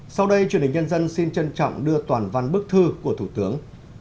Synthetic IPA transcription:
sa˧wɗə˧jt͡ɕnhï˨˩ŋ̟ɲ˧ə˧nzə˧nsi˧nt͡ɕə˧nt͡ɕɔ̰˧˨wŋ͡mɗɨ˧ət̪waː˨˩nva˧nɓɨ˦˥ək̚t̪ʰɨ˧ku˧˩ət̪ʰu˧˩t̪ɨ˨˦əŋ

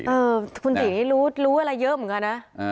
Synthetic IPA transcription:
ʔɤː˧kʰu˧nt̪iː˨˩niː˨˦˥luː˦˥luː˦˥ʔə˧la˧jəː˦˥m˨˩˦ŋka˧na˧˦˥

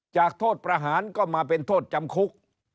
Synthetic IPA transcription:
t͡ɕaː˨˩k̚t̪ʰoː˥˩t̪̚pɾaː˧ɦaː˩˦nkɔː˥˩maː˧p̬e˧nt̪ʰoː˥˩t̪̚t͡ɕa˧mkʰu˦˥k̚

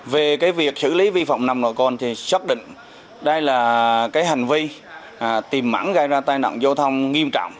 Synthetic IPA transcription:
ve˨˩kaː˨˦jvi˨˩ək̚sɨ̰˧˨li˨˦vi˧fɔ̰˧˨wŋ͡mna˧˩mnə̰˧˨˩kɔ˧nt̪ʰi˨˩sə˦˥t̚ɗḭ̈˧˨ŋ̟ | ɗə˧jlaː˨˩kaː˨˦jɦa˨˩jŋ̟vi˧˨˩ | t̪i˨˩mːa̰ː˧˥ŋɣa˧jzaː˧t̪aː˧jna̰ː˧˨wŋ͡mza˧wt̪ʰə˧wŋ͡mŋi˧əmt͡ɕɔ̰˧˨wŋ͡m

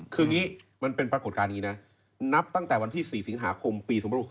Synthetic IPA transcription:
kʰɯː˧ŋiː˦˥ | ma˧npe˧npɾa˧ko˨˩t̪̚kaː˧nːiː˦˥na˦˥ | na˦˥p̚t̪a˥˩ŋt̪ɛː˨˩wa˧nt̪ʰiː˥˩siː˨˩si˩˦ŋɦaː˩˦kʰo˧mpiː˧sʰu˩˦ba˧˩u˨˩

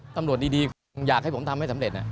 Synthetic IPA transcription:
t̪a˧mɾət̚ɗiː˧diː˧kʰ | jaː˨˩k̚ha˥˩pʰo˩˦mt̪ʰmha˥˩sa˧˦mle˨˩t̪̚na̰˨˩

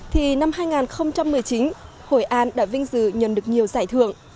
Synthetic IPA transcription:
t̪ʰi˨˩na˧mhaː˧jŋaː˨˩nxə˧wŋ͡mt͡ɕa˧mːɨ˨˩əjt͡ɕi˨˦n | ho̰˧˩jʔaː˧nɗa̰ː˧˥vï˧ŋ̟zɨ̰˧˩ɲə̰˨˩nɗɨ˨˩ək̚ɲi˨˩əwzaː˧˩jt̪ʰɨ̰˧˨əŋ

